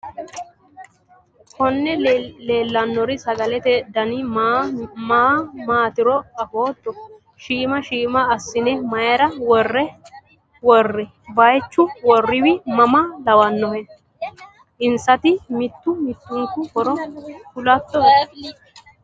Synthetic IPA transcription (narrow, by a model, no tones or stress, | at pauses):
kɔnːɛleːlːɐnːɔɾɪsɐɡɐlɛt̪ɛd̪ɐnɪ | maːmaːt̪ɪɾɔɐfoːt̪ːɔ | ʃiːmɐʃiːmɐːsːɪnɛmɐjɛɾɐwɔrːɛ | wɔrːɪ | bɐjt͡ʃːʊwɔrːɪwɪmɐmɐlɐwɐnːɔhɛ | ʔɪnsɐt̪ɪmɪt̪ːʊmɪt̪ːʊŋkʊkɔɾɔkʊlɐt̪ːɔ